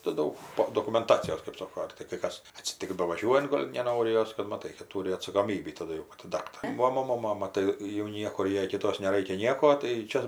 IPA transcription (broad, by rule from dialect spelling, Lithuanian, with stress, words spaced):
tɐɪ ˈdɐʊk ˈpoː doːkʊmʲɛnˈtɑːt͡sʲɪjoːs kɜp ˈsoːkoː ɐr tɐɪ kɐɪ ˈkɐs ɐtʲsʲɪˈtʲɪks bɐʋɐˈʒʲuɔjʊnt ˈɡoːlʲ nʲɛˈnoːrʲɪ ˈjoːs kɐt mɐˈtɐɪ kɐt ˈtuːrʲɪ ɐtsɐkoːˈmʲiːbʲiː tɐˈdʊ jɛʊ pɐˈtʲɪ ˈdɑːktɐrʲeː ˈʋɐ ˈmoːnoː ˈmɑːmɐ ˈtɐɪ jɛʊ ˈnʲiɛkʊr ˈjɛɪ kʲɪˈtoːs nʲɛˈrɐɪkʲɛ ˈnʲiɛkoː tɐɪ ˈt͡ʃʲɛ